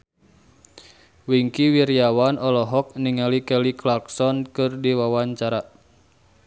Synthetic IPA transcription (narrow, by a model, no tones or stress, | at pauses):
wiŋkiwiɾiawanɔlɔɦɔk̚niŋalikɛliklarksɔnkɨrdiwawaɲt͡ʃaɾa